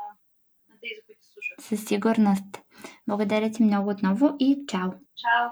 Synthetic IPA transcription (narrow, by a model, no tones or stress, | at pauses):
sasiɡuɾnɔst̪blˠaɡod̪aɾʲat̪ʲimnɔɡud̪nɔvɔʔit͡ʃau